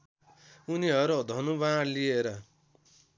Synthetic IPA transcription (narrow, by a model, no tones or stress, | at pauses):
uniɦʌɾud̪ʱʌnubaɽlieɾʌ